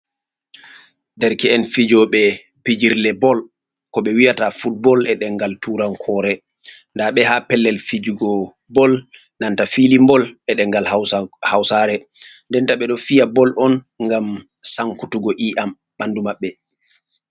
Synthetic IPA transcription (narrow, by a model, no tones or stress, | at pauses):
dɛɾkɛɛnfid͡ʒɔɓɛ | pid͡ʒiɾlɛbɔl | kɔɓɛwijatafut̚bɔlɛɗɛŋɡaltuɾankʰɔːɾɛ | ndaɓɛhapɛlːɛlfid͡ʒuɡɔ | bɔl | nantafilimbɔlɓɛɗɛŋɡalhawsaɾɛ | ndɛntaɓɛɗɔfijabɔlʔɔn | ŋɡam | saŋkutuɡɔʔiʔam | ɓandumaɓːɛ